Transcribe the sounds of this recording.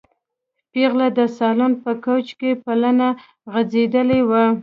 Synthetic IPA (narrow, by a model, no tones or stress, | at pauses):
piɣlad̪əsɑlonpəkowt͡ʃkepalana | ɣad͡zed̪əlewa